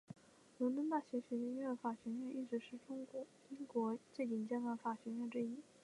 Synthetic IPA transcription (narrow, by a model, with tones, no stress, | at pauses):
lwə˧˥nt̪wə˥nt̪̬a˥˩ɕɥɛ˧˥ɕɥɛ˧˥ɕɛ˥nɥɛ˥˩d̪ə˩fa˨˩ɕɥɛ˧˥ɥɛ˥˧nʔi˥˩ʈ͡ʂɻ̩˧˥ʂɻ̩˥˩ʈ͡ʂʊ˥ŋkwɔ˧˥ | i˥ŋkwɔ˧˥t͡ɕe˥˩ɪt̪i˨˩nt͡ɕjɛ˥nə˧˥fa˨˩ɕɥɛ˧˥nɥɛ˥˧nʈ͡ʂɻ̩˥˧i˥˩